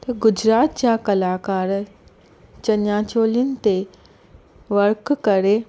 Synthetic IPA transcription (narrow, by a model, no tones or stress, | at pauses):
t̪ɐɡʊd͡ʑɾaːt̪̚d͡ʑakɐlaːkaːɾ | t͡ɕɐɲjaːt͡ɕoːlinɪ̆t̪e | ʋɐɾkkɐɾe